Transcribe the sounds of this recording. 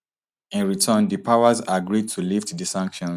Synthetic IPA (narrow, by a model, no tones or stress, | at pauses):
ĩnɹitʰə̃ndipʰaʊəzaɡɹid̚tʰuliftdisãŋkʃɔ̃n